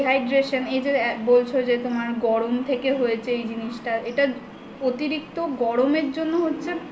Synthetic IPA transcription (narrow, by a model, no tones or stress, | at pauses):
ɦajɖɾeʃoned͡ʑebolt͡ɕʰod͡ʑet̪omaɾɡɔɾomt̪ʰekeɦojet͡ɕʰeejd͡ʑiniʃʈaeʈa | ot̪iɾik̚t̪oɡɔɾomeɾd͡ʑonːoɦotːɕʰe